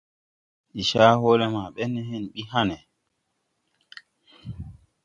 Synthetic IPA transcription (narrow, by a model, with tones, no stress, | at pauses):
i˨ʃaː˦hoː˦lɛ˦maː˨ɓɛ˦nːɛ˦ɦɛ˦nɓi˦ɦa˦nɛ˨